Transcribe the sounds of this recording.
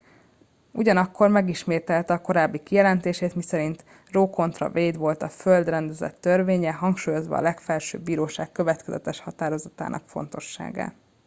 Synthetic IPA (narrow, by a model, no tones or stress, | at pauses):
uɟɒnɒkːo̞rmɛɡiʃmeːt̪ɛlt̪ɛɒko̞ɾaːbːikijɛlɛnt̪eːʃeːt̪misɛɾint̪ | roːko̞nt̪rɒ̰veːd̪ʋo̞lt̪ɒføld̪rɛnd̪ɛzɛ̰t̪ːørveːɲɛɦɒŋkʃuːjo̞zʋɒ̰ːlɛkfɛlʃø̰ːbːiːɾoːʃaːkːø̞vɛt̪kɛzɛ̰t̪ɛʃhɒt̪aːɾo̞zɒt̪a̰ːnʔɒ̰kfo̞̰nt̪o̞ʃːa̰ːɡa̰ː